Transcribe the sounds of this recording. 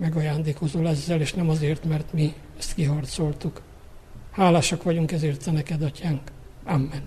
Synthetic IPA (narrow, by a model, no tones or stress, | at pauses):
mɛɡɒjaːnd̪eːko̞zolɛzːɛleːʃnɛmɒzeːrt̪mɛrt̪mi | ɛst̪kiɦɒrt̪so̞lt̪uk | haːlaːʃɒkʋɒɟuŋkɛzeːrt̪ɛnɛkɛd̪ɒcaːŋkamːɛn